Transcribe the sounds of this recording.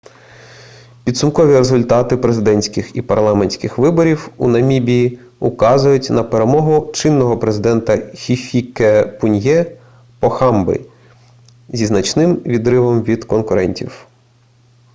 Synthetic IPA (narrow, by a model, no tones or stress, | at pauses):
pʲid̪sʊmkɔʋʲiɾe̞zʊlʲt̪ɑt̪ɪpɾe̞zɪd̪ɛnʲsʲkɪxipɐrlˠɑmenʲsʲkɪxʋɪbɔɾʲiwṵnɐmʲibʲiji | ʊkɑzʊjʊtʲnɐpeɾe̞mɔɦʊt͡ʃɪnːɔɦɔpɾezɪd̪ɛnt̪ɐxʲifʲikepʊnʲjɛ | pɔxɑmbɪ̰ | zʲiznɐt͡ʃnɪmʋʲid̪ɾɪʋɔmʋʲid̪kɔnkʊɾɛ̰nʲtʲḭw